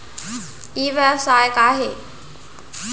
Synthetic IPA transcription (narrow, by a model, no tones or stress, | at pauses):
iːʋɛsaːjkaːɦeː